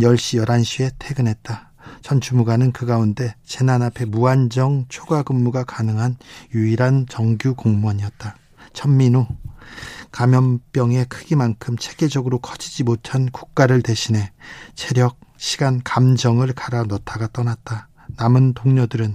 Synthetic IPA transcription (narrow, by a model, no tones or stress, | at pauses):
jʌɭɕ͈ijʌɾanɕʰie̞tʰe̞ɡɯnɦe̞t̚t͈a | t͡ɕʰʌnt͡ɕumuɡanɯnkɯɡaunde̞t͡ɕe̞nanapʰe̞muand͡ʑʌŋt͡ɕʰoɡaɡɯmːuɡakanɯŋɦanjuiɾant͡ɕʌŋɡjukoŋmwʌɲiʌt̚t͈a | t͡ɕʰʌmːino | kamjʌmp͈jʌŋe̞kʰɯɡimankʰɯmt͡ɕʰeɡe̞d͡ʑʌɡɯɾokʰʌd͡ʑid͡ʑimotʰanku̥k̚k͈aɾɯɭte̞ɕʰine̞t͡ɕʰe̞ɾjʌk̚ɕʰiɡankamd͡ʑʌŋɯɭkaɾanʌtʰaɡat͈ʌnat̚t͈a | namɯntoŋɲʌdɯɾɯn